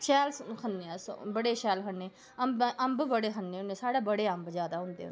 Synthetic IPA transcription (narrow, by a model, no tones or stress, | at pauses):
ʃɛːlkʰənnẽːsbəɽeːʃɛːlkʰənːeː | əmbʔəmbbəɽeːkʰənːeːɦʊ̃nẽːsaːɽeːbəɽeːəmbzjaːd̪aːɦʊ̃nd̪ḛː